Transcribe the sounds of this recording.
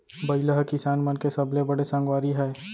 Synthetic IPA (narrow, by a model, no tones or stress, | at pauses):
bɐɪləɦkɪsaːnmənkesɐblebɐɽesɐ̃ŋɡwaːɾiɦɛː